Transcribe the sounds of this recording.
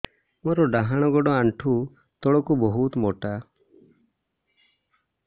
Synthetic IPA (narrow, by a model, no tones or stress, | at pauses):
mɔɾɔɖaɦaɽ̃ɔɡɔɖɔaɳʈʰu | t̪ɔɽɔkubɔɦut̪moʈa